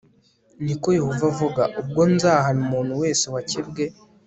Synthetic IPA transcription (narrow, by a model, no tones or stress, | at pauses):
niko̞jehovavuɡaʔub̚ɡo̞nzaːɦanumuːnhuwe̞ːsewacibɡe̞